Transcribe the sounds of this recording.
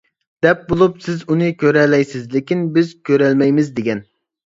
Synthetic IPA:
d̪̥ɛp̚bolˠupsɪzunɨkʲøɾɛlɛjsɪzlɪkʲinbɪzkʲøɾɛlmɛjmɪzd̪eɡʲɛn

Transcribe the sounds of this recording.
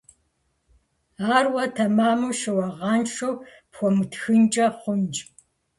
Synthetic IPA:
aːrwɐtʰɐmaːmuʃɨwɐʁɑnʂow | pxʷɔmɨtxɨnt͡ʃʼɐχʷʊnt͡ʃʼ

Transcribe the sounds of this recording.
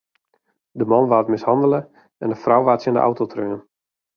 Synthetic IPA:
dəmɔnʋaːtmɪshɑndələ | ɛndəfrawʋaːtsəndəʔa̰wtotʰrøːən

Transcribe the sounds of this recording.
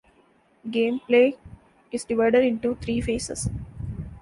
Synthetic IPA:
ɡẽːmpleː | ɪzɖɪʋaɪɖeɖɪ̃ɳʈut̪ʰɾiːfeːsḛs

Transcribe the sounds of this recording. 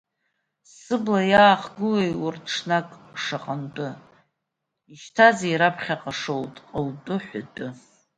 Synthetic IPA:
sɨblajaːχɡɨlejʊrtʰʂnakʼʂaqʼantʼʊ | iʃtʰazeiɾapʰχʲaqʼaʂowtʼqʼəltʼʊħʷatʼʊ

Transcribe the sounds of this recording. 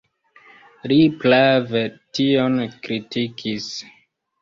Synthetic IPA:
liplavetionkɾitʰikʰis

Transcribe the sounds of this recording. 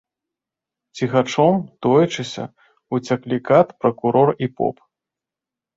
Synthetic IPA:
t͡sʲixat͡ʂɔmt̪ɔjɛt͡ʂɨsʲɐ̰ | ut͡sʲaklʲikat̪pɾɐkuɾɔripɔ̰p

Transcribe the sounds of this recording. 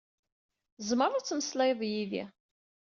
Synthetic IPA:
zˤməɾˤat͡sːməslæjðˤjiðḭ

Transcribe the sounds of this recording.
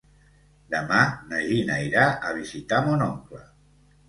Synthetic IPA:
d̪əmanəʒinaiɾaʔəβ̞izit̪amonɔŋklə

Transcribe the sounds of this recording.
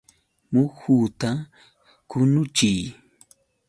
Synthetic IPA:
mʊxuːt̪a | kʊnʊt͡ʃɪj

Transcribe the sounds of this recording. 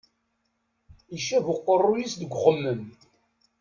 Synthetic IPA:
iʃævʊqːərˤːujisd̪əɡʷχəmːəm

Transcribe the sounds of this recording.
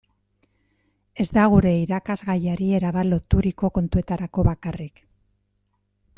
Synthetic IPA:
e̞zd̪aɣ̞uɾe̞iɾakazɣajaɾie̞ɾaβalo̞t̪uɾiko̞ko̞nt̪ue̞t̪aɾako̞βakarik

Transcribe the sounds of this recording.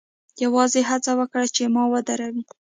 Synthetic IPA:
jawɑzeɦat͡sawəkɽat͡ʃemɑwəd̪aɾawi

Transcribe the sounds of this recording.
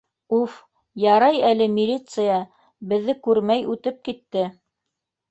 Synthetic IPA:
uf | jɑɾɑjælɘmʲilʲit̪sɨjɑ | bɘ̆ðːɘkʉɾmæjʉt̪ɘp̚kit̪ːɘ

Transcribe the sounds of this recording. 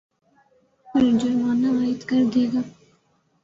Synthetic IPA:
pʊld͡ʒɐɾmaːnaaːɪd̪kɐɾd̪eːɡaː

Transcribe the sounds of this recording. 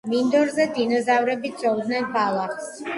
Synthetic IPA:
mind̪ɔɾzɛd̪inɔzavɾɛbid̪sɔvd̪nɛnbalˠaχs

